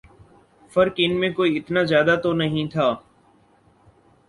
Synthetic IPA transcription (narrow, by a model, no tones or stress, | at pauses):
fəɾkɪnmẽkoːiːɪt̪naːzjaːd̪aːt̪onəɦĩt̪ʰaː